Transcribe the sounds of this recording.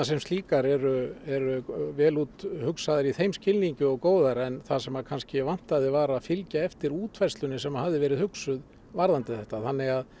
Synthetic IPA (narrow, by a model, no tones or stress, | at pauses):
asɛmst̪liːkaɾɛɾʏɛɾʏvɛːluːt̪hʏksaðɪɾiθejmscɪlniɲcʏɔɣkoːwðaɾɛnθasɛmakʰanscɪvan̥t̪aðɪvaɾaðfɪlcaɛft̪ɪɾuːt̪farst̪lʏnːɪsɛmahavðɪvɛːɾɪðhʏksʏð | vaɾðant̪ɪθɛht̪aθanːɪɣað